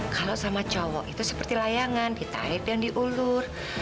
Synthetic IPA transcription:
kalosamat͡ʃɔwɔʔit̪usə̥pərt̪ilajaŋandit̪a̰ɾɪpjaŋdiʔulʊr

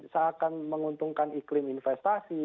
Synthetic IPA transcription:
saːkanməŋunt̪uŋkaniklɪminfɛst̪asi

